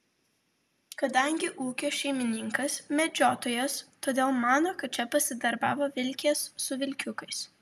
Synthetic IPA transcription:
kɐd̪ɐŋʲɡʲɪʔuːkʲoːʃʲɛɪmʲɪnʲɪŋkɐsmʲɛd͡ʒʲoːt̪oːjoːst̪oːd̪ʲeːlˠmɑːnoːkɐt̪̚t͡ʃʲɛpɐsʲɪd̪ɐɾbɑːʋoːʋʲɪlʲkʲeːsːʊʋʲɪlʲkʲʊkɐɪs

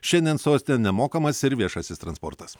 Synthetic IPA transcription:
ʃʲɛnʲd̪ʲɛnsoːsʲt̪ʲenʲɛmoːkɐmɐsɪɾʋʲiɛʃɐsʲɪst̪ɾɐnspɔ̰ɾt̪ɐs

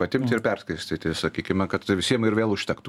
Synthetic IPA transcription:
pɐt̪ʲɪmʲt̪ʲɪɾpʲɛrskɐɪsʲt̪ʲɪt̪ʲɪsɐkʲiːkʲɪmɐkɐt̪ʋʲɪsʲiɛmɪɾʋʲeːlˠʊʃʲt̪ʲɛkt̪

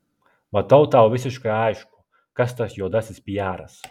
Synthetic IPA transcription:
mat̪awt̪aːwvisʲiʃkaajʃku̥ | kast̪asjuɔd̪asʲisʲpʲijaːɾa̰s

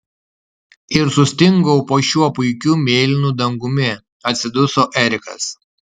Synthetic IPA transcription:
ɪɾsʊsʲt̪ʲɪŋɡɔʊpoːʃʲuɔpʊɪkʲumʲeːlʲɪnud̪ɐŋɡʊmʲɪ | ɐt̪ʲsʲɪd̪ʊsoːʔɛɾʲɪkɐ̰s

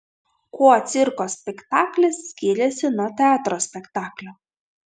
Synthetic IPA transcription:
kuːɔɐt̪sʲɪɾkoːsʲpʲɛkt̪ɑːklʲɛsːʲkʲɪːɾʲɛsʲɪnuɔt̪ʲɛɑːt̪ɾoːsʲpʲɛkt̪ɑːklʲoː

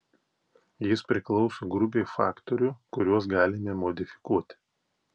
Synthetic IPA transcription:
jɪspʲɾʲɪklˠɔʊsoːɡɾʊpʲeːfɑːkt̪ɔɾʲukʊɾʲuɔs̬ɡɑːlʲɪmʲemɔd̪ʲɪfʲɪ̥kuɔt̪ʲɪ̥

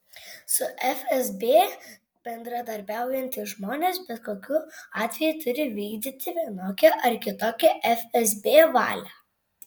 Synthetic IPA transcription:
sʊʔɛfʲɛzbʲeː | b̥ʲɛnd̪ɾɐd̪ɐɾʲbʲæˑʊjɛnʲt̪ʲɪʒmoːnʲeːsbʲɛt̪koːkʲʊɑːt̪ʲʋʲɛjʊt̪ʊɾʲɪʋʲiːɡd̪ʲiːt̪ʲɪʋʲiɛnoːkʲɛʔɐɾkʲɪt̪oːkʲɛʔɛfʲɛzbʲeːʋɑ̰ːlʲɛ

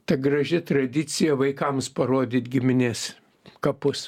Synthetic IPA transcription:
t̪ɐɡɾɐʒʲɪt̪ɾɐd̪ʲɪt͡s̪ʲɪjɛʋɐɪkɐmspɐɾoːd̪ʲiːt̪ɡʲɪmʲɪnʲeːs | kɐpʊs

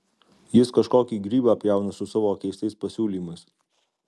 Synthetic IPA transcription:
jɪskɐʃkoːkʲiːɡɾʲiːbɑɐpʲjɛˑʊnɐsʊsɑʋoːkʲɛɪst̪ʲɛɪspɐsʲuːlʲiːmɐɪs

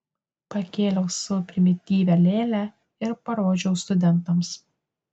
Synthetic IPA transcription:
pɐkʲeːlʲɛʊsʊpʲɾʲɪmʲɪt̪ʲiːʋʲɛlʲeːlʲæ | ɪɾpɐɾoːd͡ʒʲɛʊst̪ʊd̪ʲɛnˑt̪ɐms

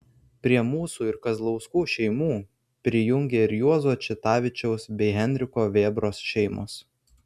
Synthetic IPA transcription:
pʲɾʲiɛmuːsuːɪɾkɐzlˠɔʊskuːʃʲɛɪmuː | pʲɾʲɪjʊŋʲɡʲeːɪɾjuɔzuɔt͡ʃʲɪt̪ɑːʋʲɪt͡ʃʲɛʊsbʲɛɪɦʲɛnʲd̪ʲɾʲɪkoːʋʲeːbɾoːsʃʲɛɪmʊ̰s

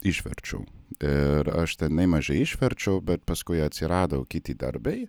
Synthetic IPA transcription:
ɪʃʲʋʲɛ̰ɾʲt͡ʃʲɛ̰ʊɪɾɐʃt̪ʲɛnɐɪmɐʒɛɪɪʃʲʋʲɛɾʲt͡ʃʲɛʊbʲɛt̪̚pɐskʊɪɐt̪ʲsʲɪɾɑːd̪ɐʊkʲɪt̪ʲid̪ɐ̰ɾbʲɛɪ

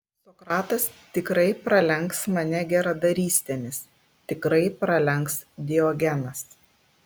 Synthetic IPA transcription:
sɔkɾɑːt̪ɐst̪ʲɪkɾɐɪpɾɐlʲɛŋksmɐnʲɛɡʲɛɾɐd̪ɐɾʲiːsʲt̪ʲɛmʲɪs | t̪ʲɪkɾɐɪpɾɐlʲɛŋksd̪ʲɪɔɡʲɛnɐs

